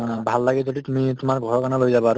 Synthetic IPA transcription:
bʱalːaɡɛzoditumitʊmaɹɡʱɔɹɔkanalojzabɔaɹʊ

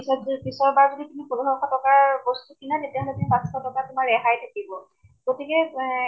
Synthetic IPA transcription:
sɔpisɔɹbaɹzoditumipɔlɔɦɔkʰatɔkaɹbostukinatetɛɦɔlɛtumibakstʰɔtɔkatumaɹɛɦajtʰakibɔ | ɡ̥otikɛ

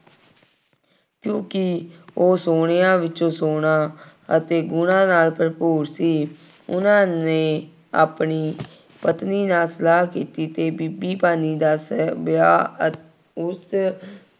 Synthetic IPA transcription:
kjõːkɪoːsoːɳejãːʋɪt͡ʃõːsoːɽãː | ət̪eːɡʊnãːnaːlpəɾpoːɾsiː | ʊnãːneː | a̰ːpniː | pət̪niːnaːlsəlaːɦkiːt̪iːt̪eːbibiːpaːniːd̪aːsbjaː | ʊs

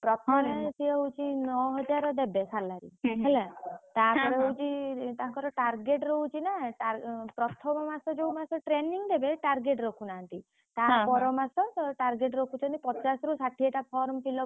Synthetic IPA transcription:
pɾɔt̪ʰɔmet̪ʰieɦwt͡ʃʰinɔɦɔd͡ʒaɾɔd̪ebesalaɾḭɦelet̪apɔɾeɦowt͡ʃʰit̪ãŋkɔɾɔʈaɾɡeʈɾout͡ʃʰinaʈapɾɔt̪ʰɔmɔmasɔd͡ʒeumasɔʈɾeniŋd̪ebeʈaɾɡeʈɾɔkʰunaːnt̪i | t̪apɔɾɔmasɔʈaɾɡeʈɾokʰut͡ʃʰɔnipɔt͡ʃasɔɾusaʈʰieʈapʰɔɾmpʰilɔ

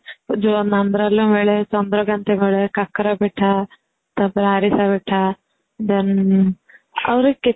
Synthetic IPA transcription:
d͡ʒonɐnd̪ɾalːumeːɭesɐnd̪ɾɐɡɐnt̪emeːɭekɐkːɐɾabiʈʰːa | t̪ɐbɾaːɾisabiʈʰːa | d̪ɐn | ɐ̰ʋɾeki

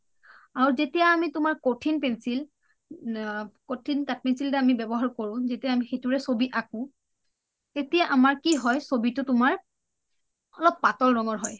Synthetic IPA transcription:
aɹuzetijaːmitʊmaɹkotʰinpɛnsil | kotʰintat̚pɛnsiltɛamibɛbɔɦaɹkoɹʊ̃zetijaːmixejtʊɹɛsobiakʊ̃ | tetijaʔamaɹkiɦɔjsobitʊtʊmaɹ | ɔlɔpːatɔlɹɔŋɔɹɦɔj

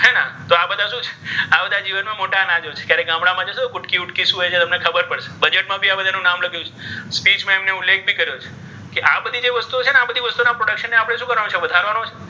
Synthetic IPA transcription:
ɦɛnãt̪oabəd̪ʱaʃũt͡ʃʰe̥abəd̪ʱad͡ʒiʋənmãmoʈanãd͡ʒot͡ʃʰe̥kjaɾeɡãmɽamãd͡ʒəʃet̪okʊʈkiʊʈkiʃũɦjt͡ʃʰet̪əmnekʰəbəɾpəɽʃe̥bəd͡ʒeʈ̚mãbʱiabəd̪ʱanũnamləɡjũt͡ʃʰe̥spit͡ʃmãemneʊlːek̚ʰbʱikəɾjot͡ʃʰe̥ | keʔabəd̪ʱid͡ʒeʋəst̪uot͡ʃʰeneabəd̪ʱiʋəst̪unapɾoɽəkʃənːeapəɽ̃eʃũkəɾʋanõt͡ʃʰeʋəd̪ʱaɾʋanõt͡ʃʰe

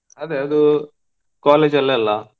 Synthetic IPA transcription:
ɐd̪eːɐd̪u | kaːleːd͡ʒɐlːɐlːaː

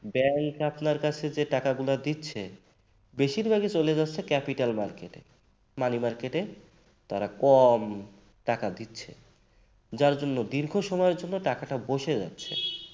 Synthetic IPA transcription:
bɛŋkapnaɾkat͡ɕʰed͡ʑeʈakaɡulad̪itːɕʰe | beʃiɾbʱaɡit͡ɕoled͡ʑatːɕʰekɛpiʈalmaɾkeʈḛ | manimaɾkeʈe | t̪aɾakɔm | ʈakad̪itːɕʰḛ | d͡ʑaɾd͡ʑonːod̪iɾɡʱoʃɔmɔeɾd͡ʑonːoʈakaʈaboʃed͡ʑa̰tːɕʰḛ

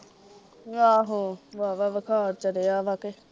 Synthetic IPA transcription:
ãːɦõːʋaːʋaːʋəkʰaːɾt͡ʃəɾeːaːʋaːkeː

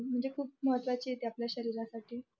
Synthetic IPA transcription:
m̤əɳd͡zekʰuːp̚məɦət̪ʋat͡ɕiːjet̪eapljaɕəɾiːɾasaʈiː

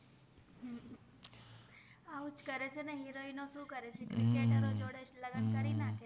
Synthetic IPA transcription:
aut͡ʃkəɾet͡ʃʰeneɦiɾoinoʃũːkəɾet͡ʃʰekɾikeʈəɾod͡ʒoɽet͡ʃləɡənkəɾinake

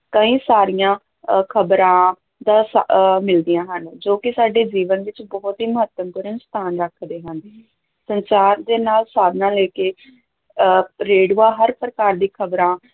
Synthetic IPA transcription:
kəĩːsaːɾijãː | kʰəbɾãː | d̪ãːsmɪld̪ijãːɦənd͡ʒoːkɪsaːɖeːd͡ʒiːʋənʋɪt͡ʃbɔːt̪ɦiːməɦət̪ːəmpuːɾənst̪ʰaːnɾəkʰd̪eːɦənd̪ | sənsaːɾd̪eːnaːlsaːb̪nãːlɛːkeː | ɾeːɖuːaːɦəɾpɾəkaːɾd̪iːkʰəbɾãː

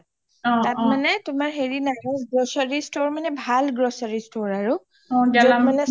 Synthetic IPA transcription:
tatmanɛtʊmaɹɦeɹinaɡasɡɹosaɹistoɹmanɛbʱalɡɹosaɹistoɹaɹu | ɔmanɛ

